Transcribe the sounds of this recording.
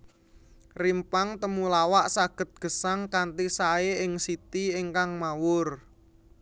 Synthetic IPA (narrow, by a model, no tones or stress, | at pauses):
rimpaŋt̪əmulawaʔsaɡ̥ə̤t̪̚ɡ̥ə̤saŋkant̪isaeɪŋsit̪ieŋkaŋmawʊr